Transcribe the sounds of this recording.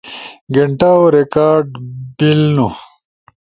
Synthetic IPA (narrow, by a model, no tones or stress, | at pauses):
ɡeɳʈaoɾekaːɾɖbilnu